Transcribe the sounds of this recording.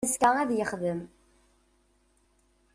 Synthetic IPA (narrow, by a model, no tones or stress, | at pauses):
zkææðjəχðəm